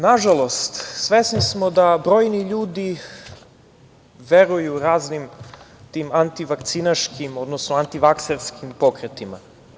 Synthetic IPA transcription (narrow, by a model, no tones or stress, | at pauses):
naʒalo̞st̪sʋesnismo̞d̪abɾo̞ːjniʎuːd̪i | ʋe̞ɾujuɾaːznim | t̪imant̪iʋakt̪sinaʃkimo̞d̪nosnoant̪iʋakseɾskimpo̞kɾet̪ima̰